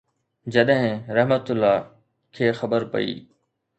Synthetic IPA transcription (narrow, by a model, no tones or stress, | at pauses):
d͡ʑɐɗɦɪ̃ɾɐɦmət̪ʊlːaː | kʰeːxɐbəɾpɐ̰ḭː